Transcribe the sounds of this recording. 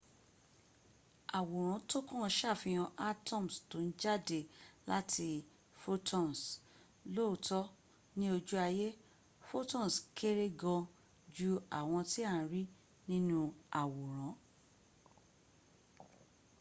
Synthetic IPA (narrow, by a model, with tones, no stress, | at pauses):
a˨wo˨ɾ̃ã˨˦to˦kɔ̃˦˨˧ʃa˦˨fĩ˧j̃ɔ̃˧ʔa˦tɔ̃˦˨m̩˨sto˨˦n̩˦d͡ʒa˦˨de˨la̰˦tʰi˧ | fo˦tʰɔ̃˦˨s | lo˦˨tɔ˦ | nĩ˦o˧d͡ʒu˦a˧je˦ | fo˦tɔ̃˦˨skʰe˦ɾe˦ɡɔ̃˧ | d͡ʒu˦a˨w̃ɔ̃˧ti˦a˦˨˦ɾi˦ | nĩ˦nũ˦a˨wo˨ɾ̃ã˨˦